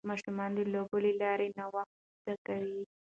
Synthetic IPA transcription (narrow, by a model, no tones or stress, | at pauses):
mɑʃumɑnd̪elobəlelɑɾenawax | t̪akawi